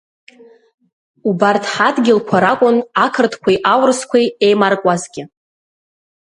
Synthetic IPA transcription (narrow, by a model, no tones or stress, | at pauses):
ubartʰħadɡʲɪlkʷʰaɾakʷʼʊnakʰɨrtʰkʷʰajʔawrskʷʰejejmarkʷʼazɡʲɪ